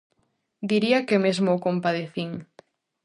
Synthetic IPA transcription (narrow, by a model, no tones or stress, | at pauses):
d̪iɾiakemezmoːkompaðeθiŋ